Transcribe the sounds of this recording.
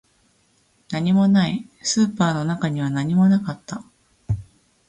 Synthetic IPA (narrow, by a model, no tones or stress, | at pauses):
naɲ̟imo̞naisɨːpaːno̞nakaɲ̟iβanaɲ̟imo̞nakat̪ːa